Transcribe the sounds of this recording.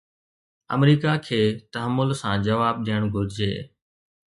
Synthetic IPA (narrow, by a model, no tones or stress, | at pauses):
ə̰mɾiːkakʰeːt̪əɦəmːʊlsãːd͡ʒəʋaːb̚ɗiːəɽ̃ɡʱʊɾd͡ʑḛː